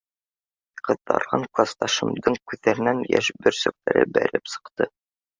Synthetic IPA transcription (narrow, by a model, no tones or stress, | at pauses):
qɤ̆ðɑ̰ɾʁɑɴklˠɑst̪ɑʃɤ̆md̪ɤɴkʉðæɾ̆nænjæ̰ʃbɘɾsɵ̆k̚læɾɘ̰bæ̰ɾɘpsɤ̥̆qt̪ɤ